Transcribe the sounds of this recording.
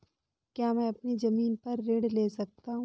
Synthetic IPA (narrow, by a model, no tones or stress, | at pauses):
kjaːmɛ̃ːɐpnizɐmiːnpɐɾːeɽleːsɐk̚t̪aɦũ